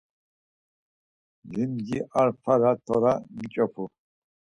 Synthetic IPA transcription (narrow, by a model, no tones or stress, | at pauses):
zimɡiʔaɾpʰaɾat̪ʰɔɾamit͡ʃʼɔpʰu